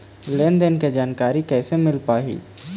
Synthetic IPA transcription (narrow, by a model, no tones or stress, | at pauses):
leːnd̪ənked͡ʒaːnkaːɾikɛːsemɪlpaːɦḭː